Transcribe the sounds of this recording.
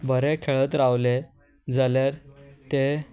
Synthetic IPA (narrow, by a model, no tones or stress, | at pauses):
bʱəɾekʰeɭət̪ɾaʋle | d͡zaleɾt̪e